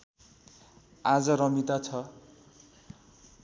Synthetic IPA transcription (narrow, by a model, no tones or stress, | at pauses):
ad͡zʌɾʌmit̪at͡sʰʌ